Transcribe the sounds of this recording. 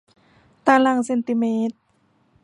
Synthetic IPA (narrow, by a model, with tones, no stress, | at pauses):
t̪aː˧la˧˩ŋse˧nt̪i˧meː˧˥t̪̚